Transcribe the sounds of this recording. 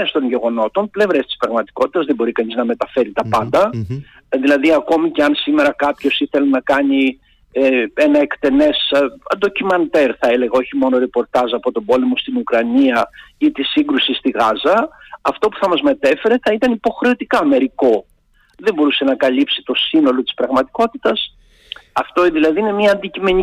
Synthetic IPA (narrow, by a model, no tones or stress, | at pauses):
est̪o̞nʝe̞ɣo̞no̞t̪o̞nple̞vɾest̪i̥spɾɐɣmɐt̪i̥ko̞t̪i̥t̪ɐzðebo̞ɾikɐniznɐme̞t̪ɐfe̞ɾit̪ɐpɐnd̪ɐ | ðilɐðiɐko̞mice̞ɐnsime̞ɾɐkɐpço̞siθe̞lenɐkɐni | enɐe̞kt̪e̞ne̞sɐ̰nd̪o̞cimɐnt̪e̞ɾθɐele̞ɣɐo̞çimo̞no̞ɾe̞po̞ɾt̪ɐzɐpo̞t̪o̞bo̞le̞mo̞st̪inukɾɐniɐit̪isiŋɡɾusist̪iɣɐzɐːft̪o̞pu̥θɐmɐzme̞t̪e̞fe̞ɾe̞θɐit̪ɐnipo̞xɾe̞o̞t̪ikɐme̞ɾiko̞ | ðe̞mbo̞ɾuse̞nɐkɐlipsi̥t̪o̞sino̞lo̞t̪i̥spɾɐɣmɐt̪i̥ko̞t̪it̪ɐs | ɐft̪oðilɐðiine̞miɐːnd̪icime̞ɲi